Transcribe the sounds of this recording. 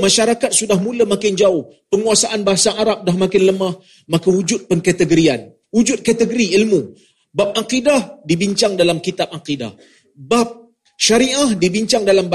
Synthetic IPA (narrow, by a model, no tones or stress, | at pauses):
mãʃaɾakat̪̚sudahmuləmãkɪnd͡ʒaʊh | pəŋuasaʔanbaɦasaʔaɾap̚dahmakɪnləmah | makaud͡ʒʊt̪̚pəŋkat̪əɡəɾian | ud͡ʒʊt̪̚kat̪əɡəɾiilmu | bap̚aqidahdibiɲt͡ʃaŋdalamkit̪ap̚aqida̰h | bap̚ | ʃaɾiʔahdibiɲt͡ʃaŋdalamb